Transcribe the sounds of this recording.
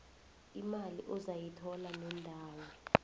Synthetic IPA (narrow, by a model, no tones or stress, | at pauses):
imaliʔɔzajitʰɔlanɛndʱaːwɔ